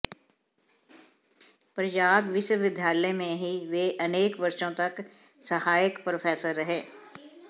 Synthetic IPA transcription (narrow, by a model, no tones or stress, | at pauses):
pɾəd͡ʒaːd̪ʋɪʃwəʋɪd̪ʱjaːlemẽɦiʋeːʔɐneːkʋɐɾʃõt̪ɐk | səhaːjəkpɾopʰɛːsəɾːəɦeː